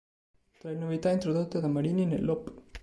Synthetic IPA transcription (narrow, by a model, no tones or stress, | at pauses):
t̪ɾajnovit̪aint̪ɾoðot̪ːed̪amaɾininḛlːop